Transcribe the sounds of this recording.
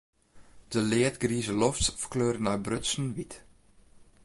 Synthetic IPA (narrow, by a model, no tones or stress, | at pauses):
d̥əlɪətɡriːzəlɔftfərkløːrənabrɵsənʋit